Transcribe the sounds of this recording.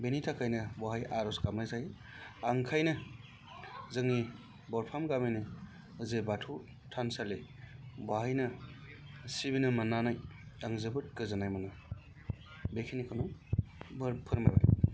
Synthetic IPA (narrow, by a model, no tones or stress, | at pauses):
benitʰakʰajnɯbaɦajaɾɔskamnajzai | aŋkʰajnɯ | zɯŋːi | bɔɾpʰamɡamini | ɯzebatʰu | tʰansalebaɦajnɯ | sibinɯmanːanajaŋzɯbɯt̚kɯzanajmanɯ | bekʰinikʰɯnɔ | bɾpʰɯɾma̰jba̰j